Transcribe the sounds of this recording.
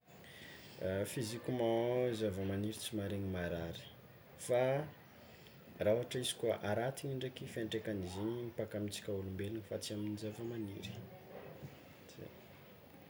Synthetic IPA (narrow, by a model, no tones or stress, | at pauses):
fizikʲumazavamaniɾit͡simaɾeɲimaɾaɾi̥ | fa | rauaʈ͡ʂəisi̥kuaʔaɾat̪iɲiɳɖ͡ʐakifeɳʈ͡ʂekaniziɲimipakamit͡si̥kʲaulumbelinifat͡siaminizavamanḭɾi̥ | zḛ